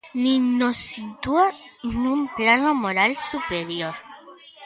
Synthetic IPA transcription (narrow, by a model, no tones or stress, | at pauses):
ninosit̪ua | numplanomoɾalsupeɾjoɾ